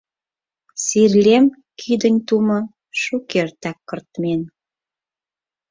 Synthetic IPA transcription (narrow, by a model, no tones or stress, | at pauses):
sirlʲem | kʰid̪ənʲt̪umə̆ | ʃukert̪ɑkːərt̪men